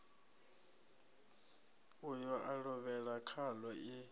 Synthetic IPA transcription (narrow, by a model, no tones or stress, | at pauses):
ujɔʔaɺɔβɛɺakʰalɔʔi